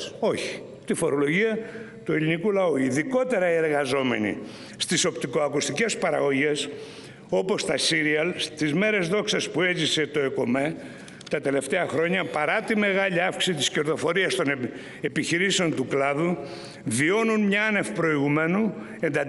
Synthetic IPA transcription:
o̞çi̥ | t̪ifo̞ɾo̞lo̞ʝiɐ | t̪ue̞lʲinikulɐuiðiko̞t̪e̞ɾɐie̞ɾɣɐzo̞me̞̰nḭ | st̪iso̞pt̪iko̞ɐkust̪ice̞spɐɾɐɣo̞ʝe̞s | o̞po̞st̪ɐsiɾiɐlst̪izme̞ɾe̞zðo̞ksɐspue̞zise̞t̪o̞eko̞me | t̪ɐt̪e̞le̞ft̪e̞ɐxɾo̞ɲɐpɐɾɐt̪ime̞ɣɐʎiɐfki̥sit̪isce̞ɾðo̞fo̞ɾiɐst̪o̞n | e̞piçiɾiseo̞nt̪uklɐðu | vio̞nunmɲɐɐne̞fpɾo̞iɣume̞nue̞nd̪ɐ

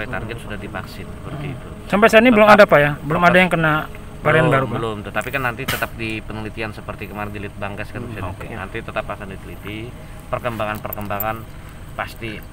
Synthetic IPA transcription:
ajt̪anɡɪnsudahdivaksɪnsəpərt̪iit̪u | sampajsaaniəlʊmadapajabəlʊmadajaŋkəna | balɾeanbaɾubəlʊmt̪ut̪apikanːant̪it̪ət̪ap̚dipənəlit̪iansəpərt̪ikəmaɡəlɪt̪̚baŋɡaskansait̪na̰nt̪it̪ət̪apakandikəlit̪i | pərkəmbaŋanpərkəmbaŋan | past̪i

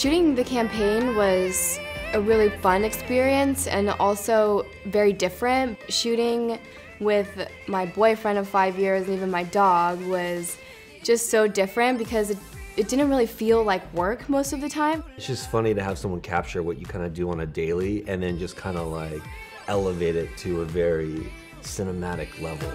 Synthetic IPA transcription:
ʃʉɾɪ̃ŋðɨkʰæ̃mpʰẽɪ̃nwʌz̥ɨɹɪlˠifʌ̃nɨkspɪɹiɨ̃nsɨ̰̃nɔlˠsoʊ | vɛɹidɪfɹɨ̃ntʃʉɾɪ̃ŋ | wɪð | maɪbɔɪfɹɛ̃ndʌv̥faɪvjɪɹzɨ̃nivɨ̃nmaɪdɔɡwʌz | d̥ʒ̥ʌstsoʊdɪfɹɨ̃ntb̥ɨkʰʌzɨt | ɨt̚d̥ɪdⁿn̩t̚ɹɪlˠifilˠlaɪkwɜ˞kmoʊstʌvðɨtʰãɪ̃mɨtsd̥ʒ̥ʌstfʌniɾɨəv̥sʌ̃mwʌ̃nkʰæ̰p̚t͡ʃə˞wʌt͡ʃɨkʰãɪ̃ndɨdɨə̃nɨdeɪlˠiɨ̃nðɨ̃nd͡ʒʌskʰãɪ̃ndəlaɪk | ɛlˠəveɪɾɪtʰɨəvɛɹi | sɪ̃nəmæɾɨkʰlɛ̰vl̩ˠ

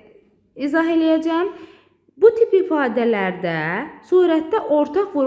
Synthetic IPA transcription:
izɑɦe̞lijæd͡ʒæjæm | but̪ʰipifɑːd̪ælæɾd̪æsuːɾæt̪̚ːæʔoɾt̪ʰɑχvuɾ

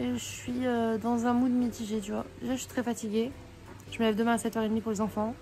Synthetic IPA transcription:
eʒəsɥiød̪ɑ̃zɛ̃mud̪əmit̪iʒet̪yvwa̰d̪eʒaəʃit̪χɛfat̪iɡʲe | ʒ̥əməlɛvd̪əmɛ̃asɛt̪œʁed̪mipuʁlezɑ̃fɑ̃

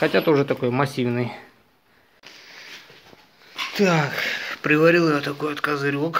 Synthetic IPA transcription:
xɐtʲat̪ʊʐɛt̪ɐko̞jmɐsʲivnɨj | t̪akpɾʲɪvɐɾʲilˠɪjat̪ɐkojɐt̪kəzɨɾʲok

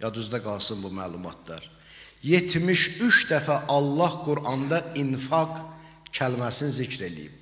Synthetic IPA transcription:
jɑd̪yzd̪æɡɑlˠsɯnbumælˠumɑ̰t̪̚d̪ɑ̰ɾ | je̞t̪ʰmiʃyʃd̪æfæʔɑlˠːɑhɡuɾʔɑnd̪ɑinfɑɡ | cʰælmæsinizicʰɾe̞lḭjḭb̥

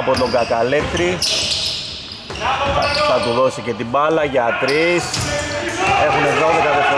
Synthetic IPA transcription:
pot̪o̞ɡɐk̪ɐleft̪ɾi | θɐt̪uðo̞sice̞t̪ibɐlɐʝɐt̪ɾis | exumeoðekɐt̪ofo

